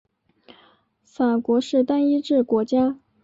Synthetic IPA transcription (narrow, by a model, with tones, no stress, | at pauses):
fa˨˩kwɔ˧˥ʂɻ̩˥˩t̪a˥ni˥ʈ͡ʂɻ̩˥˩kwɔ˧˥t͡ɕja˥